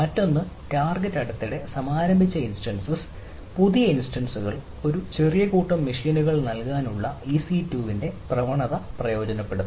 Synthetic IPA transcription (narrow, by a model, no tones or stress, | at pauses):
mɐtːo̞nːɨʈaːrɡetːɐɽɐt̪ːiɽe̞sɐmaːɾɐmbʱit͡ɕːɐinsʈɐnsɨs | puðijɐinsʈɐnsuɣɐɭ | o̞ɾut͡ɕe̞rijɐkuːʈːɐmːiʂinuɣɐɭnɐlkaːnuɭːɐiːsitːuːʋinde̞prɐʋɐɳɐðɐprɐjo̞ːd͡ʑɐnɐpːe̞ɽuð